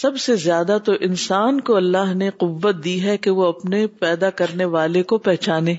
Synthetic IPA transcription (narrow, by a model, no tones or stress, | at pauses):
sɐbsezjaːd̪at̪oʔɪnsaːnkoɐlːaːɦneqʊʋːət̪̚d̪iːɦɛkeʋoɐpnepɛːd̪akɐɾneʋaːlekopɛɦt͡ʃaːnẽː